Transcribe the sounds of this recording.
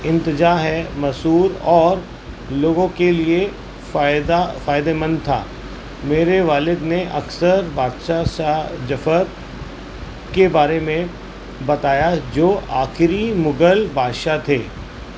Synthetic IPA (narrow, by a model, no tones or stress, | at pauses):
ɪ̃nt̪ɪd͡ʒaːɦɛmɐsuːɾɔːɾ | loːɡõkelie | d̪afaːjd̪emə̃nd̪t̪ʰa̰ː | meːɾeʋaːlɪd̪neʔɐksəɾbaːd̪ʃaʃaɦd͡ʒɐfəɾ | kebaːɾemẽ | bɐt̪aːjad͡ʒoːʔa̰ːxɪɾimʊɡəlbʱaːd̪ʃat̪ʰeː